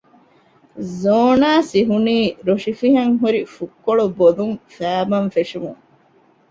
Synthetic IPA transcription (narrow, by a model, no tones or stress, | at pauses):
zoːnaːsiɦuniːɾoʃifiɦɐŋɦuɾifukːoɭuboluŋfæːbɐnfeʂumṵŋ